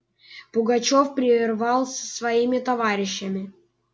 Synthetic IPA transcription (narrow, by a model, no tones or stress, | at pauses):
pʊɡɐt͡ɕofpɾʲɪrvɑlˠsʲəsvɐimʲɪt̪ɐvaɾʲɪɕːəmʲɪ